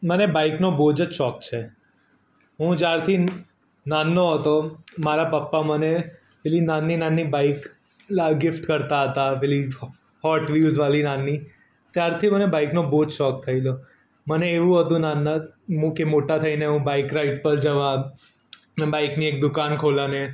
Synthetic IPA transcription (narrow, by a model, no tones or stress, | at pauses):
mənebaiknobod͡ʒəʃɔkt͡ʃʰe | ɦũd͡ʒjaɾt̪ʰi | nanːoɦət̪omaɾapəpːaməne | felinanːinanːibaik | aɡɪfʈkəɾt̪aɦət̪afeli | hɔʈʋjud͡ʒʋalinanːi | t̪jaɾt̪ʰimənebaiknoboːd͡ʒʃɔk̚t̪ʰəilo | məneːʋũɦət̪ũnanːaɦũkemoʈat̪ʰəineɦũbaikɾaiʈ̚pəɾd͡ʒəʋã | mebaikniek̚d̪ʊkankʰolane